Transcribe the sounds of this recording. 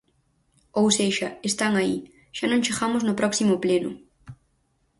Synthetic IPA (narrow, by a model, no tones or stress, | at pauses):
owseʃɐest̪aŋai | ʃanõŋt͡ʃeɣamʊznʊpɾɔksimʊplenʊ̰